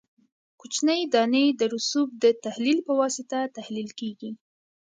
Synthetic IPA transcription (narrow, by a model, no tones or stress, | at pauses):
kut͡ʃnəjd̪ɑnəjd̪əɾʊsub̚d̪ət̪ahlilpəwɑsɪt̪at̪ahlilkeɡi